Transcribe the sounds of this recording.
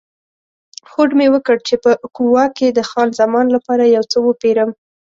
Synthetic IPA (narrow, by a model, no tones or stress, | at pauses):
xoɖmewəkəɽt͡ʃepəkuwɑkːed̪əxɑnzamɑnlapɑɾajawt͡səwəpeɾəm